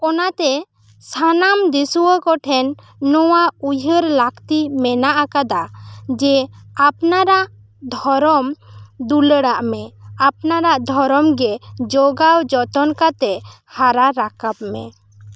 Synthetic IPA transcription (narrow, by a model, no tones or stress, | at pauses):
ɔnat̪ɛ | sanamd̪isuwəkɔʈʰɛnː | ɔwaujʱəɾlakt̪imɛnaʔakad̪ad͡ʒɛapnaɾaʔ | d̪ʱɔɾɔmd̪uləɽaʔmɛap̚naɾaʔd̪ʱɔɾɔmɡɛd͡ʒɔɡawd͡ʒɔt̪ɔnkat̪ɛ | haɾaɾakap̚mɛ̰